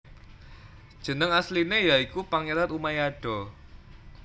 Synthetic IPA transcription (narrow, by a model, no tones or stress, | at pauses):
d̥ʒ̥ə̤nəŋaslinejaikupaŋeɾat̪umajaɖ̥ɔ